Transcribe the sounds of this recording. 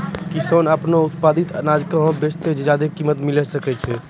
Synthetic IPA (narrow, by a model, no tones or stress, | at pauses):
kisonəpnout̪pad̪it̪ənad͡ʒkeɦõbest̪ed͡ʒed͡ʒad̪ekimət̪milɛsəkɛt͡ʃʰɛ